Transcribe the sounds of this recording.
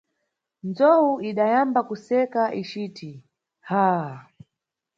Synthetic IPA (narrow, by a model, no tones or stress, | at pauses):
nd͡zɔwuiɗajambakusɛkaʔit͡ʃiːtʰi | ha